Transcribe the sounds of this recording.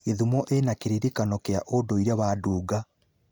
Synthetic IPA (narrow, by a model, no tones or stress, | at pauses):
eðumɔʔenakeɾiɾikanɔkeaʔodoiɾaβaːduːɡa